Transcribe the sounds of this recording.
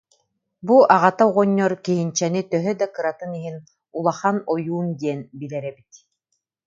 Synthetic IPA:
buʔaʁat̪auʁɔɲːɔɾkiɦint͡ɕɛnit̪œɦœd̪akɯɾat̪ɯniɦin | ulˠaχanɔjuːnd̪iɛnbilɛɾɛbit̪

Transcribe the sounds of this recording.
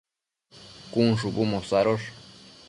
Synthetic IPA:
kunʂubumosaɾoʂ

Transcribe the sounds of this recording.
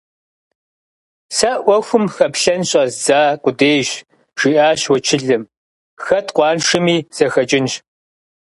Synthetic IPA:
sɐʔʷɔxʷʊmxɐpɬɐnɕʼɐzzaːqʷʼʊdeːjɕ | ʒ̥iːʔaːɕwɔt͡ʃʰɪɮɨm | xɐtʰqʷɑːnʂɨmiːz̥ɐxɐt͡ʃʼɪnɕ

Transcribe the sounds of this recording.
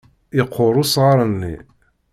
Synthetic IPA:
ɪqʰːʊɾˤʊsʁɑɾˤənːḭ

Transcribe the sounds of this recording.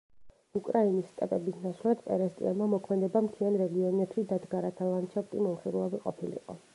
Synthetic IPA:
ukʼɾainisːt̪ʼɛpʼɛbisnaʃlˠad̪pʼɛ̰ɾɛst̪ʼḭanmamɔkʰmɛd̪ɛbamt̪ʰianɾɛɡiɔnɛpʰʃid̪ad̪ɡaɾat̪ʰalˠant͡ʃʰɛpt̪ʼimɔmχiɾlˠɔbiqʼɔ̰pʰilḭqʼɔ̰

